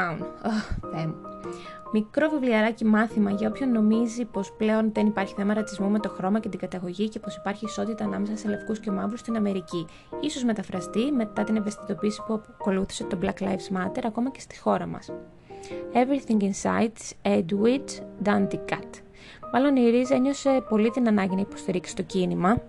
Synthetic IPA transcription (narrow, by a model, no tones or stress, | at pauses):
nθem | mikɾo̞vivliɐɾɐcimɐθimɐʝɐo̞pço̞nːo̞mizipo̞sple̞o̞nðe̞nipɐɾçi̥θe̞mɐɾɐt͡s̪izmume̞t̪o̞xɾo̞mɐce̞t̪iɡɐt̪ɐɣo̞ʝice̞po̞sipɐɾçiːso̞t̪it̪ɐːnɐme̞sɐse̞lefkusce̞mɐvɾust̪inɐme̞ɾici | iso̞zme̞t̪ɐfɾɐst̪ime̞t̪ɐt̪ineve̞st̪i̥t̪o̞piːsi̥puɐ | ko̞luθi̥se̞t̪oblɐklɐjfsmɐt̪e̞ɾɐko̞mɐce̞st̪i̥xo̞ɾɐmɐ̰s | e̞vɾiθiŋɡinsɐ̰it̪sed̪wit͡sd̪ɐnd̪ikɐt̪ | mɐlo̞niɾize̞ɲo̞se̞po̞lit̪inɐnɐɲɟinɐipo̞st̪iɾiksi̥t̪o̞cinimɐ